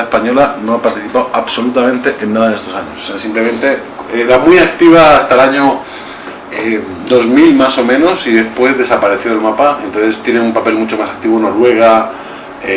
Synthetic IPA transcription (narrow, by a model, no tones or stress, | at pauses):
espaɲo̞lano̞apaɾt̪iθipawʔaβso̞lut̪amẽ̞nt̪e̞ʔenːaðaenest̪o̞saɲososeasimple̞mẽ̞nt̪e̞ | eɾamwiakt̪iβ̞aːst̪aelaɲo | d̪o̞zmilmaso̞mẽ̞nosiðe̞spwe̞zðe̞sapaɾe̞θjo̞elmapaent̪onθe̞st̪je̞neumpape̞lmut͡ʃo̞masḁk̚t̪iβono̞ɾwe̞ɣ̞a | e